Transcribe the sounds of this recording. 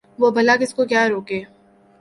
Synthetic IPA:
ʋoːbɐlakɪskokjaːɾoːkeː

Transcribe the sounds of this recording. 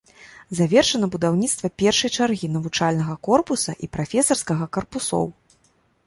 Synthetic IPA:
zavʲɛrʂɐnɐbud̪awnʲit̪st̪vɐpʲɛrʂɐjt͡ʂarɣʲinɐvut͡ʂalʲnɐɣɐkɔrpusɐ̰ʔipɾafʲɛsɐrskɐɣɐkɐrpusɔ̰w

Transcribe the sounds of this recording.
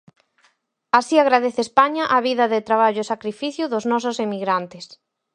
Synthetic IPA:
asiaɣɾaðeθɪeːspaɲaʔaβiðɐðɪt̪ɾaβ̞aʎʊesakɾifiθjʊðʊznɔsʊsemiɣɾant̪ɪs

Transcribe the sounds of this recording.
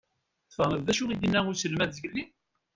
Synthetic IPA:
θfəʁnəððæʃuijənːæʊɾsəlmæðːʝəlːi

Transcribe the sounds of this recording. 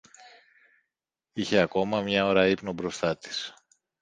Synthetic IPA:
içe̞ɐko̞mɐmɲɐo̞ɾɐipno̞bɾo̞st̪ɐt̪i̥s

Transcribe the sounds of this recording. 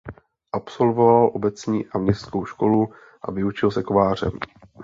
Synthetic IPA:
ʔapso̞lvo̞valʔo̞bɛt͡sɲiːʔamɲɛstkowʃko̞lu | ʔa̰vɪut͡ʃɪlsɛkovaːr̝ɛ̰m

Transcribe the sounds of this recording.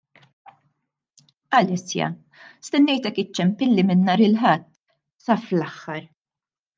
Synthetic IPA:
ɐlɛsjɐ̰ | st̪ɛnːɛjt̪ɛkːɪt͡ʃːɛmpɪlːimɪnːɐːɾɪlħɐt̪ː | sɐflɐħːɐɾ

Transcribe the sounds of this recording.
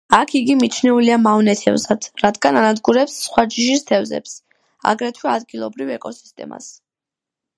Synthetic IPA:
akʰiɡimit͡ʃʰnɛuliamavnɛt̪ʰɛ̰vzad̪̥ɾad̪ɡananad̪ɡuɾɛpsːχwad͡ʒiʃist̪ʰɛvzɛ̰ps | a̰ɡɾɛt̪ʰwɛad̪ɡilˠɔbɾivɛkʼɔsi̥st̪ʼɛ̰ma̰s

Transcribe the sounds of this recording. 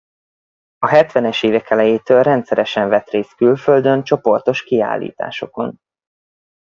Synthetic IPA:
ɒɦɛt̪ʋɛnɛʃeːvɛkɛlɛjeːt̪øːlrɛnt̪sɛɾɛʃɛɱvɛt̪reːst̪kylfø̞ld̪ø̞nt͡ʃo̞po̞rt̪o̞ʃkia̰ːlːḭːt̪a̰ːʃo̞ko̞̰n

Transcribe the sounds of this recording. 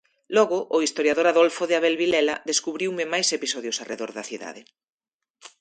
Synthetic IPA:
lɔɣʊʔːist̪oɾjaðoɾaðolfoðɪaβɛlβilɛlɐðeskuβɾiwmɪmajsepisɔðjʊsarḛðoɾðɐθiða̰ðe

